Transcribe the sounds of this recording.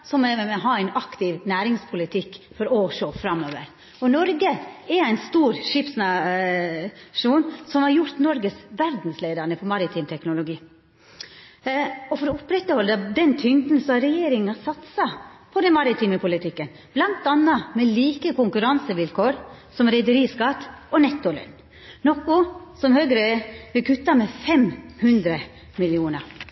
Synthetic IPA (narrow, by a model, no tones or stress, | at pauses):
sɔmɛʋɛmɛɔɦɑːæɪnɑkt̪ɪʋnæːɾɪŋspʰʊlɪt̪ʰɪkːfɔɾɔʂoːfɾɑmoːʋəɾ | ɔnɔɾɡəɛɾæɪnst̪uːɾʂɪpsnɑ | ʂuːnsɔmhɑɾjʊɾt̪nɔɾɡəsʋæɾd̪n̩sleɪd̪əɳəfɔmɑɾɪt̪ʰiːmt̪ʰɛknʊlʊɡiː | ɔfɔɾɔʊpɾɛt̪ːəhɔld̪əd̪ɛnt̪ʰʏŋd̪n̩sɔhɑɾɛjeːɾɪŋŋɑsɑt̪sɑpʰɔd̪ɛnmɑɾɪt̪ʰiːməpʰʊlɪt̪ʰɪkːən | b̥lɑnt̪ɑnːɑmɛliːkəkʊŋkʉɾɑnsəʋɪlkʰoːɾsɔmɾɛɪd̪əɾiːskɑt̪ːʔɔnɛt̪ːʊlɛ̰n | nɔkʊsɔmhøːɡɾəʋɪkʰʉt̪ːɑmɛfɛmhʉnd̪ɾə | mɪlɪuːnəɾ